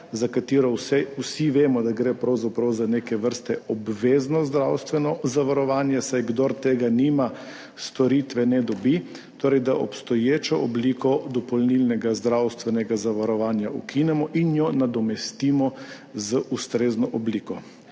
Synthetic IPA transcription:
zakat̪iːɾɔsɛusiʋeːmɔd̪aɡɾepɾawzapɾawzaneːkɛʋəɾst̪ɛɔbʋeːznɔzd̪ɾawst̪ʋɛnɔzaʋaɾɔʋaːnjasajɡd̪oɾt̪eːɡanima | st̪ɔɾit̪ʋɛnɛd̪ɔbi | t̪oːɾɛjd̪aʔɔ̰pst̪ɔjeːt͡ʃɔʔɔbliːkɔd̪ɔpɔlnilnɛɡazd̪ɾawst̪ʋɛnɛɡazaʋaɾɔʋaːnjaʔukʰinɛmɔʔinjɔnad̪ɔmɛst̪iːmɔ | zəʔust̪ɾeːznɔʔɔbliːkɔ

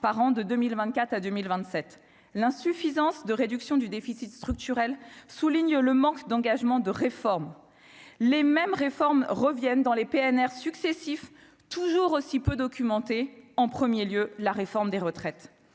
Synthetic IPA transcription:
paʁɑ̃d̪əd̪əmilvɛ̃nt̪̚kʲat̪χad̪ømilvɛ̃t̪sɛt̪ | lɛ̃syfizɑ̃sd̪əʁed̪yksjɔ̃d̪yd̪efisit̪st̪χyk̚t̪yʁɛlsuliɲləmɑ̃kd̪ɑ̃ɡaʒmɑ̃d̪əʁefɔʁm | lemɛmʁefɔʁmʁəvjɛnd̪ɑ̃lepeɛnɛʁsyksesif | t̪uʒuʁosipød̪ɔkʲymɑ̃t̪eɑ̃pχəmjeljølaʁefɔʁmd̪eʁət̪χɛt̪

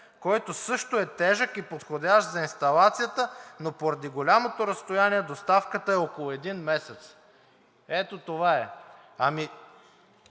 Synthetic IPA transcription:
kɔjt̪osɤʃt̪oɛt̪ɛʒəkipot̪xod̪ʲaʃt̪zɐinst̪ɐlˠat̪sijət̪ənopoɾɐd̪iɡolʲamot̪oɾɐst̪ojaniɛd̪ost̪afkət̪əɛokolˠʊɛd̪inmɛsɛt̪s | ɛt̪ot̪ovaɛ | ɐmi

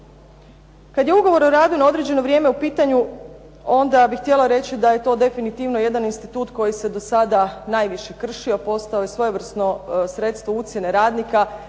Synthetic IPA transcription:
kad̪je̞uɡo̞ʋo̞ɾoɾaːd̪unao̞d̪ɾe̞d͡ʑd͡ʒe̞no̞ʋɾje̞ːmeupiːt̪aɲu | o̞nd̪abixt̪je̞laɾe̞t͡ɕid̪aje̞t̪o̞ːd̪e̞finit̪iːʋno̞je̞d̪aninst̪it̪uːt̪ko̞jise̞d̪o̞sad̪anaːjʋiʃe̞kr̩ʃio̞po̞st̪aojesʋo̞jeʋr̩sno̞sɾe̞t̪st̪ʋo̞ut̪sjene̞ɾaːd̪nika

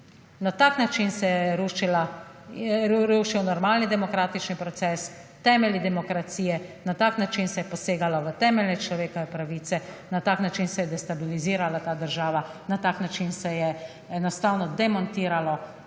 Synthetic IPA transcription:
nat̪aːknat͡ʃinsɛjɛɛɾuʃila | ɾuːʃiwnɔɾmaːlnid̪ɛmɔkɾaːt̪it͡ʃnipɾɔt̪sɛːst̪ɛːmɛlid̪ɛmɔkɾat̪siːjɛnat̪aːknat͡ʃinsɛjɛpɔseːɡalɔʋət̪ɛːmɛlnɛt͡ʃlɔʋeːkɔʋɛpɾaʋiːt̪sɛnat̪aːknat͡ʃinsɛjɛd̪ɛst̪abiliziːɾalat̪aːd̪əɾʒaːʋanat̪aːknat͡ʃinsɛjɛ | ɛnɔst̪aːwnɔd̪ɛmɔnt̪iːɾalɔ

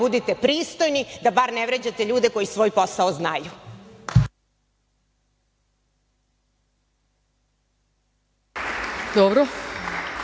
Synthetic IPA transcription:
ud̪it̪e̞pɾiːst̪o̞jnid̪abaɾneʋɾed͡ʑat̪e̞ʎuːd̪eko̞jisʋo̞ːjpo̞saoznaju | d̪obɾo

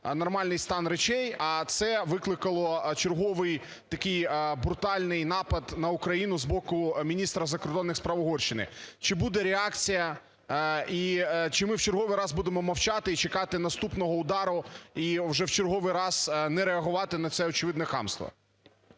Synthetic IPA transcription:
nɐrmɑlʲnɪjst̪ɑnɾet͡ʃɛjɐt̪sɛʋɪklˠɪkɐlˠɔt͡ʃerɦɔʋɪj | t̪ɐkɪjbɾʊt̪ɑlʲnɪjnɑpɐd̪nɐʊkɾɐjinʊzbɔkʊmʲinʲist̪ɾɐzɐkɔrd̪ɔnːɪxspɾɐʋɔɦɔrʃɪnɪ̰t͡ʃɪbud̪ɛɾeɑkt͡sʲijɐ | it͡ʃɪmɪwt͡ʃeɾɦɔʋɪjɾɑzbud̪emɔmɐwt͡ʃɑt̪ɪit͡ʃekɑt̪ɪnɐst̪upnɔɦɔʊd̪ɑɾʊiʋʒɛwt͡ʃeɾɦɔʋɪjɾɑz̥nɛɾeɐɦʊʋɑt̪ɪnɐt̪sɛɔt͡ʃɪʋɪd̪nɛxɑ̰mst̪ʋɔ̰

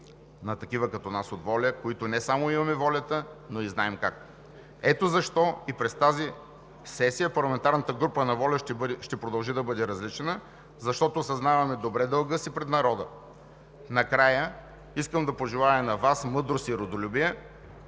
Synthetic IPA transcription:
nɐt̪ɐkivəkɐt̪ɔnasot̪vɔlʲəkoit̪onɛsamoimɐmɛvɔlʲɐt̪ənoiznaɛmkak | ɛt̪ozɐʃt̪ɔipɾɛst̪azi | sɛsijəpɐɾlˠɐmɛnt̪aɾnət̪əɡɾupənɐvɔlʲɐʃt̪ɛpɾod̪ɐlˠʒid̪ɐbɤd̪ɛɾɐzlit͡ʃɛnə | zɐʃt̪ɔt̪oːsɐznavɐmɛd̪obɾɛd̪əlˠɡəsipɾɛt̪nɐɾɔd̪ə | nɐkɾajə | iskəmd̪ɐpoʒɛlˠajɐnɐvasmɤd̪ɾosiɾod̪olʲubiɛ

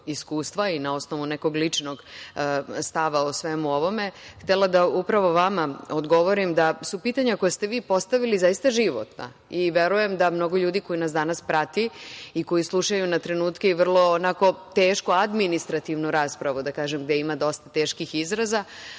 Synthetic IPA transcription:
iskuːst̪ʋainao̞sno̞ʋuneko̞ɡlit͡ʂnoɡ | st̪aʋaosʋemuo̞ʋo̞me̞xt̪elad̪aupɾaʋo̞ʋamaod̪ɡo̞ʋo̞ɾimd̪asupiːt̪aɲako̞jast̪e̞ʋiːpo̞st̪aʋilizajist̪aʒiʋo̰t̪na̰ | iʋeɾuje̞md̪amno̞ɡo̞ʎuːd̪iko̞jinasd̪anaspɾat̪iiko̞jislˠuʃajunat̪ɾe̞nuːt̪keiʋr̩lˠo̞ːnako̞t̪eːʃkuad̪minist̪ɾat̪iʋnuɾaːspɾaʋud̪akaːʒemɡd̪eimad̪o̞st̪at̪eːʃkixizɾaza

